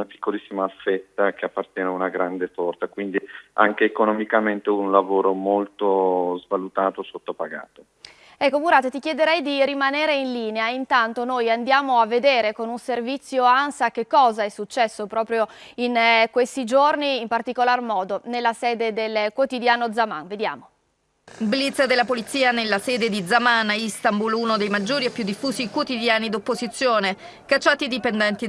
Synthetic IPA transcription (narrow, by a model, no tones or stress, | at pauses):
unapi̥kːolisːimaːfːɛt̪ːakeapːart̪jɛːneaunaɡɾand̪et̪ɔrt̪akwind̪ia̰ŋkeːkonomikament̪eunlavoːɾomolt̪ozvalut̪aːt̪osot̪ːopaɡa̰ːt̪o | ɛkːomuɾaːt̪et̪ikjed̪eɾɛjd̪iɾimaneːɾeinliːneaint̪ant̪onojand̪jaːmoavːed̪eːɾekonunservit̪sːjoansak̟ekːɔːzaɛsːut͡ʃːɛsːopɾɔːpɾjoinkwest̪id͡ʒorniːmpart̪ikolarmɔːd̪onelːasɛːd̪ed̪elkwot̪id̪jaːnod̪zama̰nved̪ja̰ːmo | blit̪sd̪elːapolit̪sːiːanelːasɛːd̪ed̪id̪zamanaist̪ambulunod̪ejmad͡ʒːoːɾiepːjud̪ːifːuːzikwot̪id̪jaːnid̪opːozit̪sːjoːne | kat͡ʃːaːt̪id̪ipend̪ɛnt̪i